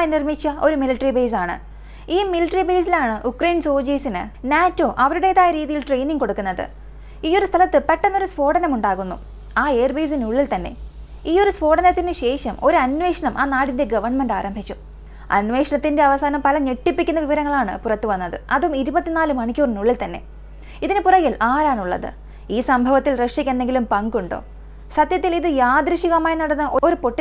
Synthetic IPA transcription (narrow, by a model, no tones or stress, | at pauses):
jnirmit͡ɕːɐo̞ɾumiliʈːɐribeːs̬aːɳɨ̰ | iːmiliʈːɐribe̞ːs̬ilaːɳɨʔukrɐjnso̞ːd͡ʑiːsinɨ̰naːtːo̞ːʔɐʋɐɾuɽe̞ðaːjɐɾiːðijilʈre̞jniŋɡko̞ɽukːunːɐðɨ̰ | iːo̞ɾust̪ʰɐlɐt̪ːɨpeʈːɐnːo̞ɾuspo̞ːɽɐnɐmuɳɖaːɣunːṵ | aːe̞ːrbeːs̬inuɭːilt̪ɐnːe̞̰ | iːo̞ɾuspo̞ːɽɐnɐt̪ːinɨɕe̞ːʂɐmo̞ɾuɐnʋe̞ːʂɐɳɐmʔa̰ːnaːɽinde̞ɡɐʋɐrɳmenɖaːɾɐmbʱit͡ɕːu | ɐ̰nʋe̞ːʂɐɳɐt̪ːinde̞ɐʋɐsaːnɐmpɐlɐɲeʈːipːikʲːunːɐʋiʋɐɾɐŋːɐɭaːɳɨ̰purɐt̪ːɨʋɐnːɐðɨ̰ɐðuumiɾubɐt̪ːinaːlɨmɐɳikʲːoːrnuɭːilt̪ɐnːe̞̰ | iðinɨpurɐɣilʔaːɾaːɳuɭːɐ̰ðɨ̰ | iːsɐmbʱɐʋɐt̪ːilreʂikʲːenːe̞ŋɡilumpɐŋɡuɳɖo̞̰ː | sɐd̪jɐt̪ːiliðɨjaːd̪ɾɐʂiɣɐmaːjnɐɽɐnːɐʔo̞o̞ɾupo̞ʈːi